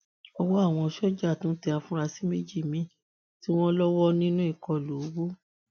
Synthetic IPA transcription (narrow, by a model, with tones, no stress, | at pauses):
ɔ˧wɔ˦a˦˨w̃ɔ̃˧ʃɔ˦d͡ʒa˦˨tũ˦tɛ˧a˧fũ˦ɾa˧si˦me˦d͡ʒi˦˨mĩ˨˦ | ti˦w̃ɔ̃˦lɔ˦wɔ˦nĩ˦nũ˦i˦˨kɔ˨lu˨˦ɡ͡bo˦